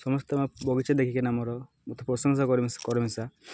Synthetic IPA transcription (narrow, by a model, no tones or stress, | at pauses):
sɔmɔst̪emabɔɡit͡ʃed̪ekʰikenamɔɾɔ | mut̪ɔpɾɔsɔŋsakɔɾimkɔɾimesa